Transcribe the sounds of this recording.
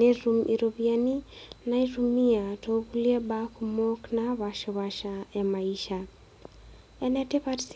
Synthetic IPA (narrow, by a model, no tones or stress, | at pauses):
eɾumʔiɾoβianinaiɾumiatokuliabakʰumɔknaβaʃɔβaʃaamaiʃa | ɛnɛtepaɾs